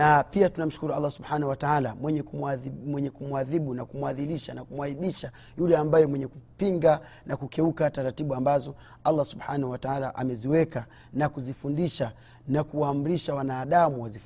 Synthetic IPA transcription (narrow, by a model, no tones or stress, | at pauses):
napiatunam̩ʃu̥kuɾualːasubħanauwataalamwɛɲɛmwɛɲɛkumuaðiɓunakumuaðiliʃanakumwaiɓiʃa | julɛambajɛmwɛɲɛkupiŋɡa | nakukɛukataɾatiɓuambazɔ | alːasubħanahuwataalaʔamɛziwɛka | nakuzifundiʃa | nakuwaːm̩ɾiʃawanaːɗamuwazif